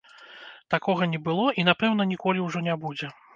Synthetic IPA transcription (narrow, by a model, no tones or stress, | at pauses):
t̪akɔɣɐnʲɛbɨlˠɔʔinapɛwn̪ɐnʲikɔlʲiwʐɔnʲabud͡zʲɛ